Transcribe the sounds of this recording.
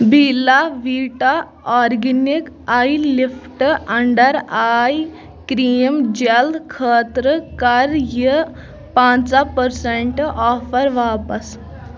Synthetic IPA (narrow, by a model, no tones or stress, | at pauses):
bʱilaʋiʈa | ɔɾɡinik | ailifʰʈəɳɖəɾaj | kɾijəmd͡ʑeld̪kʰəːt̪ɾəkaɾjə | pãt͡sapəɾseɳʈɔfəɾʋaːpəs